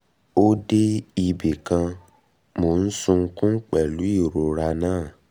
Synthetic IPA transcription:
o˦de˦i˧be˨kã˧ | mo˨n̩˦sũ˧ŋ̩˧kũ˦k͡pɛ˨lu˨˦i˦˨ɾo˨ɾa˧nãː˦˨

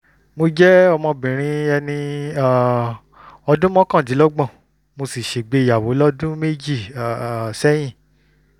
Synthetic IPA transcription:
mo˧d͡ʒɛ˦ɔ˧mɔ̃˧bĩ˨ɾ̃ĩ˧ɛ˧nĩ˧a˨ | ɔ˧dũ˦mɔ̃˦kã˦˨ti˨˦lɔ˦ɡ͡bɔ̃˦˨ | mo˧si˨ʃe˨ɡ͡be˧˦˨ja˨wo˨˦lɔ˦dũ˦me˦d͡ʒi˦˨ | sɛ˦j̃ĩ˦˨

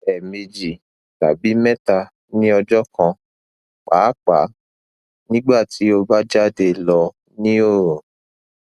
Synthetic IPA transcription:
ɛ˨mĩ˧d͡ʒi˨ | ta˨bi˨˦mɛ̃˦ta˧ | nĩ˦ɔ˧d͡ʒɔ˦kã˧ | k͡pa˨˦k͡pa̰˨˦ | nĩ˦ɡ͡ba˦˨ti˨˦o˧ba˦d͡ʒa˦˨de˧lɔ˧ | nĩ˦o˦˨ɾũ˨

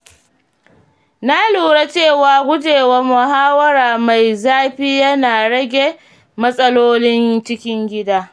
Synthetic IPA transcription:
na˦luː˨ɽa˦t͡ʃeː˦˨waː˨ɡʷʊ˦d͡ʒeː˨wa˦mʊ˨ɦaː˦wɐ˦ɾaː˨ma˨jzaː˦ɸiː˦jɐ˦naː˨ɽɐ˦ɡʲe˨ | mɐ˦sʼɐ˦loː˦nɪ˦ŋt͡ʃɪ˦kʲɪ˦ŋɡʲɪ˦daː˦

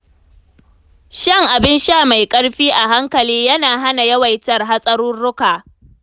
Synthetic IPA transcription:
ʃɐ˦˨ŋʔa˨bɪ˦nʃaː˦˨ma˨jkʼɐ˦ɽɸiː˦ʔa˨ɦa˦ŋkɐ˨liː˦jɐ˦naː˨ɦa˦na˨jɐ˦wɐ˨jtɐ˨rɦa˦sʼɐ˦ɾuː˦nːʊ˦kaː˨

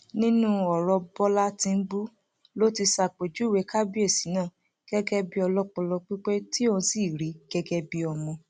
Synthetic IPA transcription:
nĩ˦nũ˦ɔ˨ɾɔ˧bɔ˦la˦tĩ˧n̩˦bu˦ | lo˦ti˧sa˧˨k͡pe˨d͡ʒu˨˦˨we˨˦ka˦bi˦e˦˨si˨˦nãː˦˨ | ɡ̥ɛ˦ɡɛ˦bi˦ɔ˧lɔ˦k͡pɔ̃˧lɔ˧k͡pi˦k͡pe˦ti˦o˦˨ñ̩˧˦si˦˨ɾi˨˦ɡ̥ɛ˦ɡɛ˦bi˦ɔ˧mɔ̃˧

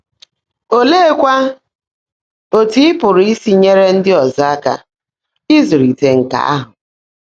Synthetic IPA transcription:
o˦leː˦e˦kʷa˦ | o˨ti˦ɪ˦pʊ˨ɾi˦si˦ɲe˦ɾe˦n̩˦dɪ˦ɔ˨za˦a˦ka̰˨ | ɪ˦zu˨ɾi˨te˨ŋ̩˨ka̰˨a̰˦ɦʊ˨

